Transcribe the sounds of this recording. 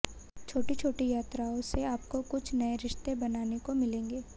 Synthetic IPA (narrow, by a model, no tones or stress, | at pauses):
t͡ʃʰoːʈit͡ʃʰoːʈijaːt̪ɾaõseaːp̚kokʊt͡ʃʰnɐeɾɪʃt̪ebɐnaːnekomɪlẽːŋɡeː